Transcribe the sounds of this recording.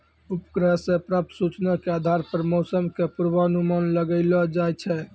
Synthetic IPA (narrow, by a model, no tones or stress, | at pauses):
upkɾəɦsẽpɾəp̚t̪sut͡ʃnakead̪ʱaɾpəɾmɔsəmkepuɾbənumanləɡəɪlɔd͡ʒajt͡ʃʰɛ